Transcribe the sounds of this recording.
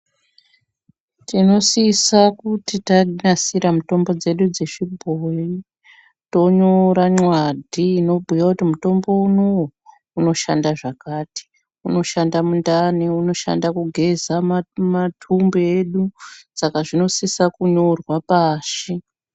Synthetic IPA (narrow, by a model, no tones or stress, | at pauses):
tino̞sisakutitaɲasiɾamuto̞mbo̞d͡ze̞ɗud͡ze̞ʂibʱoi | to̞ɲoɾaɲwadʱiːno̞bʱijwakutimuto̞mbo̞unowo | uno̞ʃa̰ndaʐakaːti̥ | uno̞ʃandamundaniuno̞ʃa̰ndakuɡʱe̞zamatʰumbeeɗusakaʐino̞sisakuɲo̞rwapaːʃi